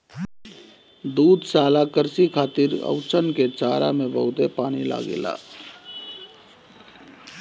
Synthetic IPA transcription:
d̪uːd̪ʱsaːlakəɾsikʰaːt̪iɾə̰ʊt͡ʃənket͡ʃaːɾa̰mẽbəɦʊt̪epaːnila̰ːɡḛla̰ː

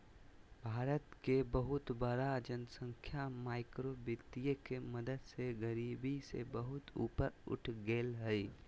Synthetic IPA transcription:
bʱaːɾət̪kebəɦʊt̪bəɾad͡ʒənsə̃ŋkʰjamaːɪkɾobɪt̪ijəkeməd̪əd̪seɡəɾiːbisḛbəɦʊt̪ṵːpəɾʊ̰ʈʰɡeːlɦɛi

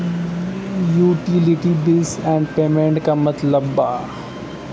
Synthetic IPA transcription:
juːʈɪlɪʈibɪsɛ̃ːɳɖpeːmẽɳʈkamɐt̪ləbːa̰

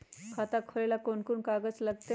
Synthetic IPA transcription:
kʰat̪akʰolelakonkunkaɡət͡sləɡ̚t̪e

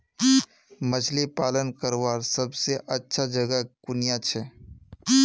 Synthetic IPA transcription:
mət͡ʃʰlipaːlənkəɾwaːɾsəbseʔətːʃʰad͡ʒəɡəkʊnɪjat͡ʃʰɛ

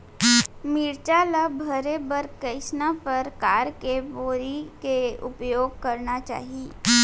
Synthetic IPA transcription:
miɾt͡ʃalabʱəɾebəɾkɐɪsnapəɾkaːɾkeboːɾikeʊpjoːɡ̚kɐɾnat͡ʃa̰ːɦieː

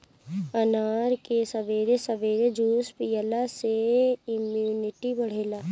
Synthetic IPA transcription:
ɐnaːɾkesɐʋeːɾesɐʋeːɾed͡ʒuːspjəlaseɪmjuːnɪʈibɐɽ̤eːlaː

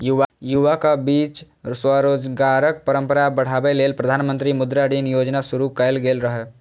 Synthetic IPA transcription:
juʋajuʋakabiːt͡ʃ | swaɾoːd͡ʒɡaːɾək̚pəɾə̃mpəɾabəɽ̤aːbeleːlpɾəd̪ʱaːnmə̃nt̪ɾimʊd̪ɾaɽiːnjoːd͡ʒnasʊɾukɛlɡeːlɾəɦe

